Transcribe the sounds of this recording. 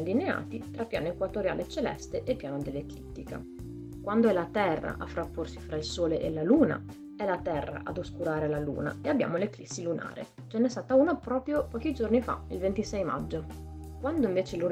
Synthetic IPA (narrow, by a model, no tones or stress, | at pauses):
lːinea̰ːt̪it̪ɾapːja̰ːnoekwat̪oɾja̰ːlʔet͡ʃelɛ̰st̪eʔepːjaːnod̪elːeklit̪ːika̰ | kwand̪oɛlat̪ɛrːa̰ʔafːɾapːorsifɾailsoːleʔelaluːna̰ | ɛlat̪ɛrːa̰ʔad̪oskuɾaːɾelalṵːna̰eabːja̰ːmoleklisːiluna̰ːɾḛ | t͡ʃɛnːɛst̪aːt̪auːnapɾɔːpɾjopɔːk̟id͡ʒornifa̰ilvent̪isɛjma̰d͡ʒːo | kwand̪oiɱveːt͡ʃelu